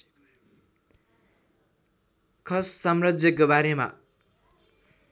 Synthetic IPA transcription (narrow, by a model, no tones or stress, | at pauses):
kʰʌsːʌmrʌd͡zjʌk̬obaɾema̰